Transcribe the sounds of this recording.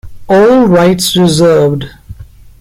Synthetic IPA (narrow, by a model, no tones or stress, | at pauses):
ɔːlɹaɪʈsɹɪzəːvd